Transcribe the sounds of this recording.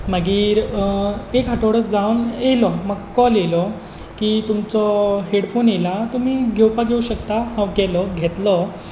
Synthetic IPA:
məɡiːɾ | ekɦaʈoɽət͡sd͡zawnjelɔməɡkɔlelɔ | kiːt̪umt͡sɔɦeɽfonjelat̪umiɡʱewpaɡʱeuɕəkt̪aɦãwɡɛlɔɡʱet̪lɔ

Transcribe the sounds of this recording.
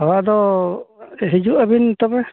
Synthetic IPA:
ɔɦad̪ɔ | ɦid͡ʒuʔabint̪ɔbɛ

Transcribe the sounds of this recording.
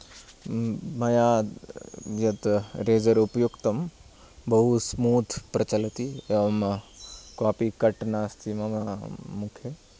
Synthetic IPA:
mɐjaː | jɐt̪ɾeːd͡ʒəɾupjukt̪ɐm | bɐɦusmuːt̪ʰpɾɐt͡ʃɐlət̪im | kaːpikɐʈnaːst̪ʰimɐmamʊkʰe

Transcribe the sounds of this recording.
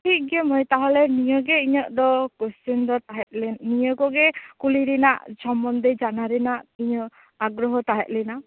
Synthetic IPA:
ʈʰiɡɛmɔjt̪aɦɔlɛnijɔɡɛiɲɔʔd̪ɔkɔsind̪ɔt̪aɦɛʔ̪̚lɛnijɔkɔɡɛkuliɾina̰ʔsɔmbɔnd̪ɛd͡ʒanaɾɛnaʔiɲɔʔ | aɡɾɔɦɔt̪aɦɛ̰t̪̚lɛna

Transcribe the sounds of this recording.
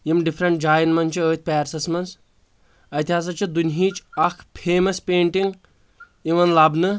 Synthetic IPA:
jimɖipʰɾɐɳʈ̚d͡ʒaːjnmɐnʲt͡ʃʰiəːt̪̚ʰʲpʲɛːɾsɐsmɐns | ɐt̪ʲiɦaːs̬ɐt͡ʃid̪unʲɦiːt͡ʃɐkʰpʰeːmɐspeːɳʈiŋɡ | iʋɐnlɐbnɨ

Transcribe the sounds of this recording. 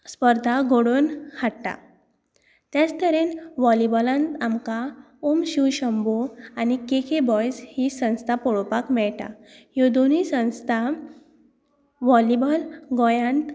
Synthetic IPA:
spəɾd̪ʱaɡʱoɽonhaɽta̰ | t̪jãt͡st̪əɾenʋɔlibɔlãnt̪amka | omɕiwɕəmboanikekʰebɔjshisə̃w̃st̪ʰapɔɭɔpakmɛɭʈa̰ | jod̪onisə̃w̃st̪ʰa | ʋɔlibəlɡɔjãnt̪

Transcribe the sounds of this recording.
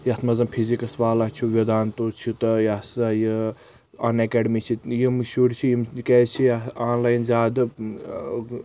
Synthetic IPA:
jɐt̪ʰmɐzɐmpʰizikɐsʋaːlat͡ʃʰuʋʲid̪aːnt̪oːt͡ʃʰit̪ɐjɐsɐji | ɐnekeɖmit͡ʃʰijimɨʃuɽt͡ʃʰiimket͡ʃʰijaːnlaːjnzʲaːd̪ɐ

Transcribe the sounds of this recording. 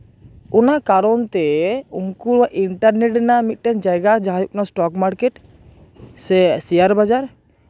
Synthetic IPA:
ɔnakaɾɔnt̪ɛunkulaʔiɳʈaɾneʈɖɛnamit̪̚ˀʈɛnd͡ʒajɡad͡ʒaɦajɔpnasʈɔkmaɾkeʈ | sɛsijaɾbad͡ʒaɾ

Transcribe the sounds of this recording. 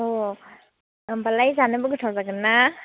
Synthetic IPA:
ɔ | balajzanɯbɯɡɯtʰawzaɡɯnːa

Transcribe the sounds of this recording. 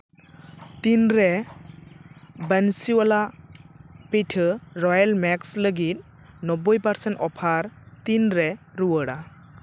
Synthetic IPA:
tinɾe | bensiwala | petʰɯɾɔjalmɛksləɡit̪̚ | nɔbɔjpaɾsentɔpʰaɾtinɾeɾuwəɽa

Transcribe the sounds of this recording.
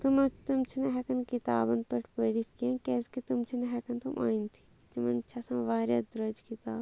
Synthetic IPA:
t̪umɐt̪umt͡ʃʰineɦɛkɐnkit̪aːbɐnpɐʈʰpɐɾit̪kijãːkeːskit̪umt͡ʃʰineɦɛkɐnt̪umʔa̰ːint̪ʰi̥ | t̪imɐnt͡ʃʰɐsɐ̃ʋaːɾʲja̰d̪ɾɐd͡ʒkit̪aːb

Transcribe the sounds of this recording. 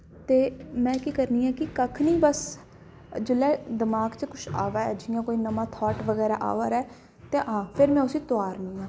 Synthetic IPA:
t̪eːmɛ̃ːkiːkəɾniːãːkɪkəkʰnĩːbəs | d͡ʒɪlɛːd̪ɪmaːɡt͡ʃəkʊʃʰa̰ːʋaːɛːd͡ʒɪjãːkoːiːnəmãːt̪ʰɔːʈʋəɡɛːɾaːʔa̰ːʋaːɾɛː | t̪eːɦãːpʰɪɾmɛ̃ːʊsĩːt̪oaːɾnĩːãː

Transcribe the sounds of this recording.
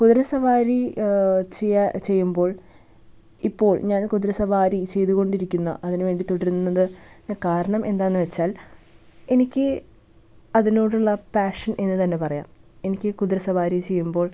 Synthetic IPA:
kuðɾɐsɐʋaːɾi | t͡ɕejt͡ɕe̞jːumbo̞ːɭ | ipːo̞ːɭɲaːnkud̪ɾɐsɐʋaːɾit͡ɕe̞jt̪uɣo̞ɳɖiɾikʲːunːɐ̰ʔɐðinʋe̞ːɳɖit̪o̞ɽɐɾunːɐðɨkaːɾɐɳɐmʔe̞nd̪aːjnːɨʋet͡ɕːaːl | e̞nikʲːɨ | ɐðinoːɽuɭːɐpaːʂɐnʔe̞nːɨt̪ɐnːe̞pɐrɐja̰ːme̞nikʲːɨkud̪ɾɐsɐʋaːɾit͡ɕe̞jːumbo̞ːɭ

